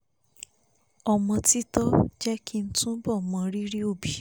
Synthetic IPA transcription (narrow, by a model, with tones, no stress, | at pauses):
ɔ˧mɔ̃˧ti˦tɔ˦d͡ʒɛ˦ki˦n̩˦tũ˦bɔ˦˨mɔ̃˧ɾi˦ɾi˦o˦˨bi˨